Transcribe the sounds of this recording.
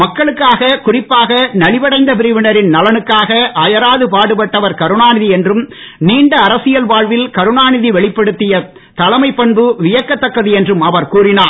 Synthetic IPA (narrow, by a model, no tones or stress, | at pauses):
mɐkːɐɭɯkːaːɣɐkʊrɪpːaːɣɐnɐɭɪʋɐɽɐɪnd̪ɐpɪɾɪʋɪnɐɾɪnnɐlɐnɯkːaːɣɐʔaːjɐɾaːðɯpaːɽɯpɐʈːɐʋɐɾkɐɾɯnaːnɪðiɛndrɯm | niːɳɖɐːɾɐsɪjɐlʋaːɻʋɪlkɐɾɯnaːnɪðiʋɛɭɪpːɐɽɯt̪ːɪjɐ | t̪ɐlɐmɐɪpːɐɳbɯʋɪjɐkːɐt̪ːɐkːɐðiɛndrɯmɐʋɐɾkuːɾɪnaː